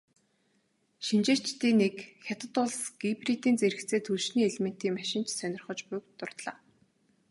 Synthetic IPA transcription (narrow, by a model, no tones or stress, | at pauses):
ʃint͡ɕeːrʰt͡ɕt̪iːnekxʲat̪ə̆t̪ʊɮsɡ̥iprit̪iːnt͡seɾɘ̆kt͡sʰeːt̪ʰuɮʃniːeɮmen̥t̪iːŋmaʃɪ̆n̥t͡ɕsœnʲɪ̆rχɞ̆t͡ɕpʊjkt̪ʊr̥t̪ɮa̰ː